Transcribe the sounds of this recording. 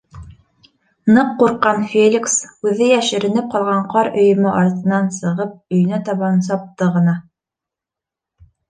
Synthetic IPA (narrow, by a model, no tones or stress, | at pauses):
nɤqːuɾqːɑnfʲelʲiksʉðɘjæʃɘ̆ɾɘ̆nɘp̚qɑlˠʁɑɴqɑɾɵ̆jɵ̆mɘʔɑɾt̪ɤ̆nɑnsɤ̆ʁɤp̚ɵ̆j̆næt̪ɑβɑns̬ɑp̚t̪ɤʁɤ̆nɑ